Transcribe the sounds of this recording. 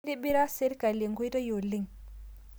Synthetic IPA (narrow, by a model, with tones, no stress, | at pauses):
di˦bi˦ɾa˦se˦ɾka˨li˨ŋɡo˦jtə˦jo˨li˦ŋ